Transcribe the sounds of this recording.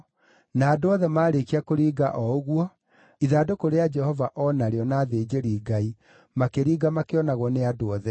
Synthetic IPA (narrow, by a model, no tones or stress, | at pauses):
naːdoɔðɛmaːɾekiakoɾiːɡaʔɔoɣwɔ | iðaːdokoɾead͡ʒɛhɔvaʔɔnaɾeɔnaðed͡ʑeɾiːɡai | makeɾiːɡamakeɔnaɣɔneadoɔðɛ